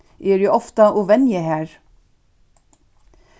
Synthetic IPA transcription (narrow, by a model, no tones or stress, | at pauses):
ʔeːɾiːʔɔft̪əʔuʋɛnjəhæːɹ